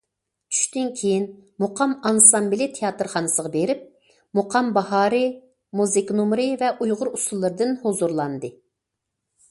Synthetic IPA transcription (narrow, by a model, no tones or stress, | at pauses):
t͡ʃʰy̥ʃt̪ynkʲʰejinmoqʰɑmɑnsɑmbilit̪ʰejɑt̪ɨɾχɑnɨsəʁɑbeɾɪp̚ | moqʰɑmbɑɦɑːɾɨ | muzɨknumɾɨvɛʔujʁʊɾusulˠːɨɾɨd̪ɨnhozuɾlˠɑnd̪ɨ